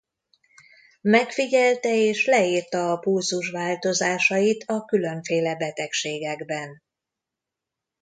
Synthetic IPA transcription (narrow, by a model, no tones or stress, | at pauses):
mɛkfiɟɛlt̪ɛeːʃlɛiːrt̪ɛːpulzuʃʋaːlt̪o̞zaːʃɒjit̪ʰɒkylø̞ɱfeːlɛbɛt̪ɛkʃeːɡɛɡbɛn